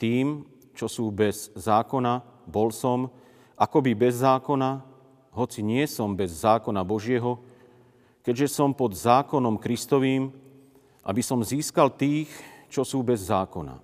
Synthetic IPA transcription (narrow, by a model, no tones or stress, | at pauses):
t̪iːm | t͡ʃɔsuːbɛz̥ːaːkɔna | bɔlsɔm | ʔakɔbibɛzːaːkɔna | ɦɔt͡siɲɪɛsɔmbɛzːaːkɔnabɔʒɪɛɦɔ | kɛɟʒɛsɔmpɔd̪zaːkɔnɔmkɾist̪ɔʋiːm | ʔa̰bisɔmziːskalt̪iːxt͡ʃɔsuːbɛzːaːkɔna̰